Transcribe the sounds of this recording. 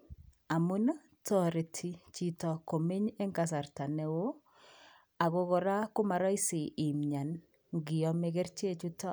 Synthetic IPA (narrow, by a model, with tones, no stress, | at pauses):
a˨mʊ˦n˦ | tʰɔ˦ɾɪ˨tʰi˦t͡ʃi˨tɔ˨ko˨me˦ɲe˦ŋɡa˨s̬a˨ɾta˨nɛ˨wo˦ | a˨ɡɔ˦ɡɔ˨ɾa˦kʊ˦ma˨ɾɔ˦i˦sɪ˨i˨mɲa˨n | ŋɡɪ˨ɔ˦me˨ɡe˦ɾt͡ʃe˦t͡ʃu˦tɔ˦